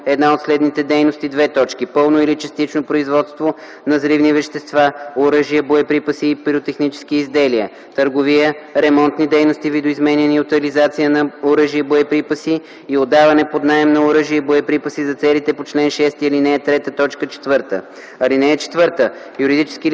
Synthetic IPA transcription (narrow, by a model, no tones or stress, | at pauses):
ɛd̪naot̪slɛd̪nit̪ɛd̪ɛjnost̪id̪vɛt̪ɔt͡ʃkipɤlˠnoilit͡ʃəst̪it͡ʃnopɾoizvɔt̪st̪vo | nɐzɾivnivɛʃt̪ɛst̪vaoɾɤʒijəboɛpɾipəsiːpɾiot̪ɛxnit͡ʃɛ̥sk̟iːzd̪ɛliə̰ | t̪əɾɡovijəɾɛmɔnt̪nid̪ɛjnost̪ivid̪oizmɛnʲɛniʊt̪ɐlizat̪sijənɐoɾɤʒiəboɛpɾipəsiː | od̪ːavɐnɛpod̪naɛmnɐoɾɤʒiəboɛpɾipəsizɐt̪sɛlit̪ɛpot͡ʃlɛnʃɛst̪iːlinɛɛt̪ɾɛt̪ət̪ɔt͡ʃkət͡ʃɛ̥t̪vɤɾt̪ə̰ | ɐlinɛːt͡ʃɛ̥t̪vɤɾt̪ə | juɾid̪it͡ʃɛ̥ski